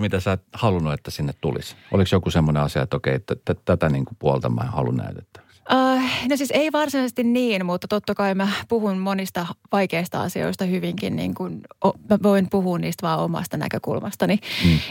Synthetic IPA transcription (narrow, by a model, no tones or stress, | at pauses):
mit̪æsæːt̪hɑlunuet̪ːæsinːet̪t̪ṵlḭsʔo̰liksjokusemːoneɑsiɑ̰et̪okḛiet̪ːæt̪æt̪æt̪æniːŋkupuolt̪ɑmˑɑ̰ːehɑ̰lṵnnæ̰ˑyt̪e̥t̪ːæ̥ʋæksʔəːnosiːseiʋɑrsinɑisest̪inniːnmut̪ːɑt̪ot̪ːɑkɑimæpuhunmonist̪ɑʋɑikeist̪ɑɑ̰sio̰ist̪ɑhyʋiŋkḭnnḭːŋkunomæʋoimpuhuːnniːst̪ʋɑːomɑ̰st̪ɑnæ̰køkṵlmɑst̪ɑni